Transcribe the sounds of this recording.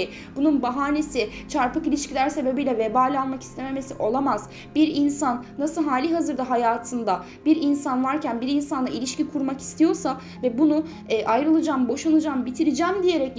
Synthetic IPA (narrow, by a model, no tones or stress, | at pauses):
b̥ununbaɦaːne̞sɪt͡ʃʰaɾpakilʲiʃcʰilʲæɾse̞be̞bijlʲɛvebaːlʲalˠmaki̥st̪e̞me̞mesiʔo̞lˠamaz̥ | biɾinsanːasɯlˠɦaːlʲiɦazɯɾd̪aɦajaːt̪ʰɯnd̪a | biɾinsanvaɾcʰænbiɾinsanaʔilʲiʃcikʰuɾmaki̥st̪ʰijo̞sa | vɛbunuː | ʔajɾɯlˠɯd͡ʒambo̞ʃanɯd͡ʒambit̪ʰiɾid͡ʒæmd̪ije̞ɾɛc